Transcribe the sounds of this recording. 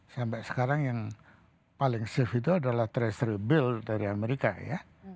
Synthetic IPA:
sampasə̥kaɾaŋjaŋ | palɪŋsɪfit̪uadalaht̪ɾɛsɾəbɪldaɾiameɾika̰ja

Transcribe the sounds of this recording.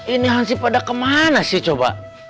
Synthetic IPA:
iniɦaŋsipadakəmanasit͡ʃoba̰

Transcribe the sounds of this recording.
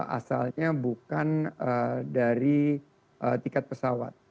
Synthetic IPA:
a̰salɲabukanədaɾi | ʔət̪ikat̪̚pəsawa̰t̪̚

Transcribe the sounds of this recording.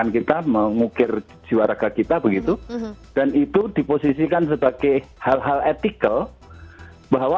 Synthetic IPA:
ankit̪aməŋukɪr | d͡ʒiwaɾaɡakit̪abəɡit̪ud̥anit̪udiposisikans̬əbaɡahalɦalet̪ikəl | baɦwa

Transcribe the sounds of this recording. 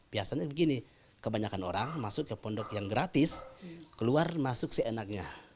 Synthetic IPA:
b̥iasaɲabəɡini | kəbaɲakanoɾaŋmasʊkəpɔndɔk̚jaŋɡɾat̪ɪskəluarmasʊksianak̚ɲa

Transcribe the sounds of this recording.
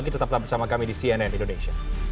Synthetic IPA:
ɡit̪ət̪aplabərsamakamidisianaanindoneʃia

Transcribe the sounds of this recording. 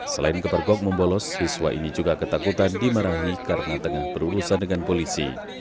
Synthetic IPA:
səla̰ɪnkəpərɡɔk̚məmbɔlɔshiswa̰ʔḭnid͡ʒuɡakət̪akut̪andimaɾaɦikaɾənat̪əŋahbəɾuɾusandəŋanpolisḭ

